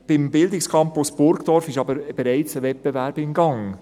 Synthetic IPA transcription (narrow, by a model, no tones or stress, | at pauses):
b̥ɪmbɪld̪ɪkskʰɑmpʊsb̥ʊɾkd̥̪ɔɾfɪʃɑbəɾb̥ɛɾæɪt͡səvɛt̚b̥evæɾbɪnɡɑŋ